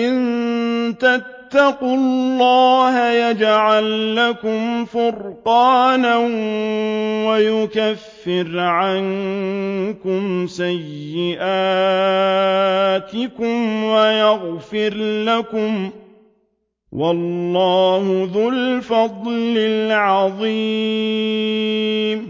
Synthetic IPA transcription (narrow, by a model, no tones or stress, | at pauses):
ʔɪnt̪at̪ːɑqʊlllːɑːhajad͡ʒʕalːakʊmfʊɾqɑːnan | wajʊkafːɪɾʕan | kʊmsajːɪʔaː | t̪ɪkʊmwajaɣfɪɾlakʊm | wɑlːɑːhʊðʊlfɑd̪ˤlɪlʕɑðˤiː | m